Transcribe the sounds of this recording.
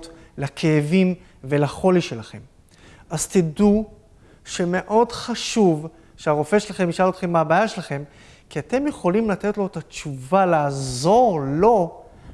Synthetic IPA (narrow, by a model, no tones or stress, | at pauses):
t | lakʰeːvim | ve̞laχo̞liʃelaχe̞m | ʔazt̪edu | ʃe̞me̞ʔo̞dχaʃuv | ʃeaʁo̞fe̞ʃelaχe̞miʃalo̞t̪χe̞mːaabaːjaʃelaχe̞m | kiat̪e̞mje̞χo̞limlat̪e̞t̪lo̞et̪at͡ʃuvalaːzo̞ʁlo̞